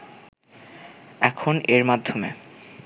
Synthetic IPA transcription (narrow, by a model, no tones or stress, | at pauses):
ɛkʰoneɾmad̪ʱomḛ